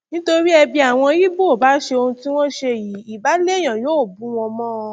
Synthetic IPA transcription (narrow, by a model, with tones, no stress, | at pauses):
nĩ˦to˧ɾi˦ɛ˧bi˧a˨w̃ɔ̃˧ji˦bo˦˨ba˨˦ʃe˧o˧hũ˧ti˦w̃ɔ̃˦ʃe˧˨ji˨˦i˨ba˨˦le˦˨j̃ã˨joː˨˦˨bũ˨˦w̃ɔ̃˧mɔ̃˦˧